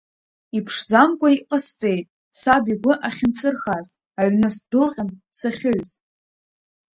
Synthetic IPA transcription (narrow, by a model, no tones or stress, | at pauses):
ipʰʂd͡zamkʷʼaiqʼast͡sʼe̞jtʼ | sabiɡʷʊʔaχʲɪnsɨrχaz | aɥnɨsdɨlqʲʼansaχʲɪɥz